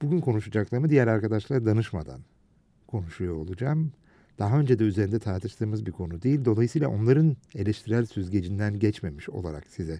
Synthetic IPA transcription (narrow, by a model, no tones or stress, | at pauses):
b̥uɟʲynkʰo̞nuʃad͡ʒaklˠaɾmɯd̪ijæɾaɾkʰad̪aʃlˠaɾad̪anɯʃma̰d̪a̰n | kʰo̞nuʃujoolˠud͡ʒaːm | d̪̥aɦaø̞nd͡ʒed̪ɛyze̞ɾind̪ɛt̪ʰaɾt̪ʰɯʃt̪ʰɯːmɯzbiɾkʰo̞nud̪ejilʲd̪o̞lˠajɯsɯjlˠa̰ʔo̞nlˠaɾɯne̞lʲɛʃt̪ʰiɾæɾsyzɟe̞d͡ʒind̪ænɟɛt͡ʃme̞miʃo̞̰lˠaɾa̰ksizɛ